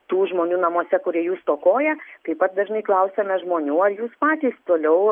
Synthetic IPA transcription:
t̪uːʒmoːnʲuːnɐmoɔsʲɛkʊɾʲiɛjuːst̪oːkoːjɛt̪ɐɪpɐt̪̚d̪ɐʒnɐɪklˠɐʊsʲɛmʲɛʒmoːnʲuːɐɾjuːspɑːt̪ʲiːst̪oːlʲɛʊ

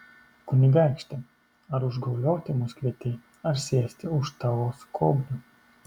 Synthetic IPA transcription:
kunʲɪɡajkʃʲt̪ʲɪ | aɾuʒɡɔwlʲɔːt̪ʲɪmuskvʲiɛt̪ʲiː | aɾsʲiɛsʲt̪ʲɪuʃt̪awɔːskʰɔbnʲu

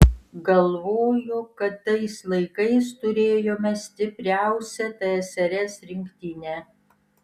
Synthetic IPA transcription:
ɡɐlˠʋoːjokɐt̪ːɐɪslˠɐɪkɐɪst̪ʊɾʲeːjoːmʲɛsʲt̪ʲɪpʲɾʲæˑʊsʲɛt̪ɐɛsʲɐɾʲɛsɾʲɪŋʲkt̪ʲɪnʲɛː

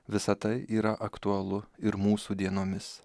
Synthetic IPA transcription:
ʋʲɪsɐt̪ɐɪʔiːɾɐʔɐkt̪ʊɐlˠʊɪɾmuːsuːd̪ʲiɛnoːmʲɪs

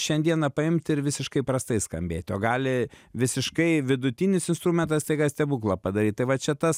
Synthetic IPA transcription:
ʃʲɛnʲd̪ʲiɛnɐpɐɪmʲt̪ʲɪɾʋʲɪsʲɪʃkɐɪpɾɐst̪ɐɪskɐmʲbʲḛːt̪ʲoːɡɑːlʲɪʋʲɪsʲɪʃkɐɪʋʲɪd̪ʊt̪ʲiːnʲɪsɪnst̪ɾuːmʲɛnt̪ɐst̪ɐɪɡɐsʲt̪ʲɛbuːklˠɐpɐd̪ɐɾʲiːt̪̚t̪ɐɪʋɐt͡ʃʲɛt̪ɐs

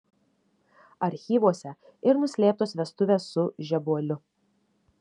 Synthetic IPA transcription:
ɐɾʲxʲiːʋuɔsʲɛ | ɪɾnʊsʲlʲeːp̚t̪oːsʋʲɛst̪ʊʋʲeːsːʊʒʲɛbuɔlʲʊ

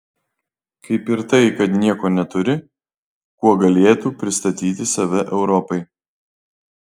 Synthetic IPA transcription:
kɐɪpɪɾt̪ɐɪkɐt̪nʲiɛkoːnʲɛt̪ʊɾʲɪ | kuɔɡɐlʲeːt̪uːpʲɾʲɪst̪ɐt̪ʲiːt̪ʲɪsɐʋʲɛʔɛʊɾɔpɐɪ

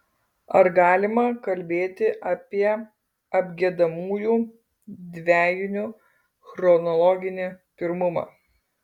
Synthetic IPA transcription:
ɐɾɡɑːlʲɪmɐkɐlʲbʲeːt̪ʲɪʔɐːpʲiɛ | ɐbʲɡʲiɛd̪ɐmuːjuː | d̪ʲʋʲæːjʊnʲʊ | xɾɔnɔlˠɔːɡʲɪnʲepʲɪɾmʊmɑ̰ː

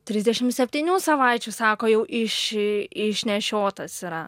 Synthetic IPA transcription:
t̪ʲɾʲɪzʲdʲɛʃʲɪmsʲɛpʲt̪ʲiːnʲuːsɐʋɐɪt͡ʃʲusɑːkoːjɛʊʔɪʃɪʃʲnʲɛʃʲoːt̪ɐsiɾɐ

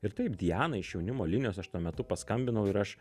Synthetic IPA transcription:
ɪɾt̪ɐɪpd̪ʲijæːnɐɪʃjɛʊnʲɪmoːlʲɪnʲɪjoːsɐʃt̪uɔmʲɛt̪ʊpɐskɐmʲbʲɪnɐʊɪɾɐʃ

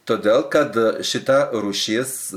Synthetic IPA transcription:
t̪oːd̪ʲeːlˠkɐt̪ʃʲɪt̪ɐɾuːʃʲeːs

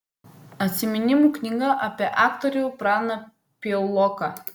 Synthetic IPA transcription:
ɐt̪ʲsʲɪmʲɪnʲɪmuːknʲiɡɐʔɐpʲiɛʔɑːkt̪ɔɾʲɛʊpɾɑːnɐ | pʲɔlˠɔkɑ

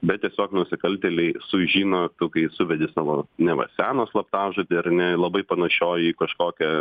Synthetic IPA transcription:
bʲɛt̪̚tʲiɛsʲoːknʊsʲɪkɐlʲt̪ʲɛːlʲɛɪsʊʒʲiːnoːt̪ʊkɐɪsʊʋʲɛd̪ʲɪsɑːʋoːnʲɛʋɐ̰sʲæːnoːslˠɐp̚t̪ɑːʒot̪ʲɐɪɐɾnʲɛlˠɐbɐɪpɐnɐʃʲoːjiːkɐʃkoːkʲɛ

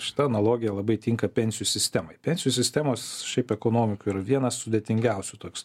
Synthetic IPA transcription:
ʃʲɪ̥t̪ɐɐnɐlˠoːɡʲɪjɛlˠɐbɐɪt̪ʲɪŋkɐpʲɛnʲsʲɪjusʲɪsʲt̪ʲæmɐɪpʲɛnʲsʲɪjusʲɪsʲt̪ʲæmoːsʃʲɛɪpɛkoːnoːmʲɪkʊɪɾɐʋʲiɛnɐssʊd̪ʲeːt̪ʲɪŋʲɡʲɛʊsʲʊt̪oːkʲs

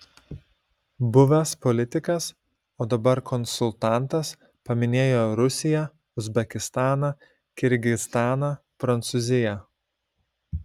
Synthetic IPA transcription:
bʊʋʲɛspɔlʲɪt̪ʲɪkɐs | oːd̪ɐbɐɾkʰɔnsʊlˠt̪ɑˑnˑt̪ɐs | pɐmʲɪnʲeːjoːɾʊsʲɪjɛ | ʊzʲbʲɛkʲɪst̪ɑːnɐ | kʲɪɾʲɡʲɪst̪ɑːnɐ | pɾɐnt̪sʊzʲɪjɛ

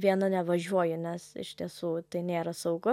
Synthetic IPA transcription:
ʋʲiɛnɐnʲɛʋɐʒʲuɔjʊnʲɛsɪ̰ʃʲt̪ʲiɛsuːt̪ɐɪnʲeːɾɐsɐʊɡʊ

